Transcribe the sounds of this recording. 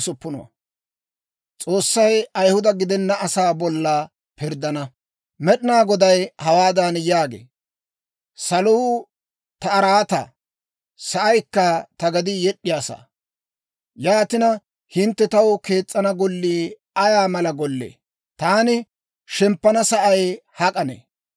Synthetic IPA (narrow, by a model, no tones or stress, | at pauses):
sʊpːʊnɔ̰wɐ̰ | t͡sʼo̞ːsːɐjɐjhʊd̪ɐɡɪd̪ɛnːɐːsaːbɔlːɐ | pɪɾd̪ɐnɐ | mɛɗɪnaːɡɔd̪ɐjhɐwaːd̪ɐnjaːɡḛː | sɐluː | t̪ɐːɾaːt̪ɐ̰ | sɐʔɐjkːɐt̪ɐɡɐd̪ɪjɛɗːɪjaːsa̰ː | jaːt̪ɪnɐ | hɪnt̪ːɛt̪ɐwke̞ːt͡sʼːɐnɐɡɔlːiː | ɐjaːmɐlɐɡɔlːḛː | t̪aːnɪ | ʃɛmpːɐnɐsɐʔɐjhɐkʼɐnḛː